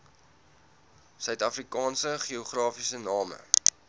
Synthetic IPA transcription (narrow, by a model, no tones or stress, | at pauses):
sœɥtɐfrikɑːnsəχioχrɑːfisənɑːmə̰